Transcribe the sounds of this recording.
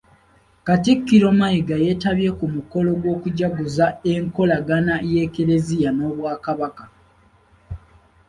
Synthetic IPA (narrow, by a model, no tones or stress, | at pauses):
katikːiɾo̞majiɡaje̞taβje̞kumuko̞lo̞ɡwo̞ːkuɟaɡuzae̞ŋko̞laɡanajeːkeɾe̞zijano̞ːβwaːkaβaka